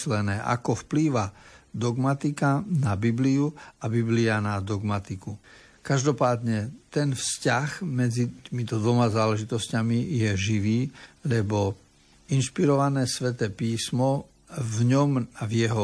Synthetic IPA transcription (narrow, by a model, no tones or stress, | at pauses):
lɛnɛːʔa̰kɔfpliːʋad̪ɔɡmat̪ikanabibliuabiblianad̪ɔɡmat̪iku | kaʒd̪ɔpaːd̪ɲɛt̪ɛnfscaɣmɛd͡zit̪imit̪ɔd̪ʋɔmazaːlɛʒit̪ɔscamijɛʒiʋiːlɛbɔ | inʃpiɾɔʋanɛːsʋɛt̪ɛːpiːsmɔ | vɲɔmvjɛɦɔ